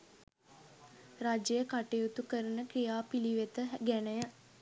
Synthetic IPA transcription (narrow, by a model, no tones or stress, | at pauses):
rad͡ʒejəkaʈejut̪ukəɾənəkrijaːpiliʋet̪əɦɡænəjə